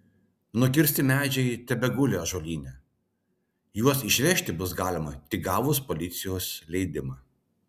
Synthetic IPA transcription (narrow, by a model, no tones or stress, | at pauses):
nʊkʲɪɾʲsʲt̪ʲɪmʲæːd͡ʒʲɛɪt̪ʲɛbʲɛɡʊlʲoʒoːlʲiːnʲɛ | juɔsɪʃʲʋʲɛʃʲt̪ʲɪbʊs̬ɡɑːlʲɪmɐt̪ʲɪɡɑːʋʊspɔlʲɪt̪sʲɪjoːslʲɛɪd̪ʲɪmɑː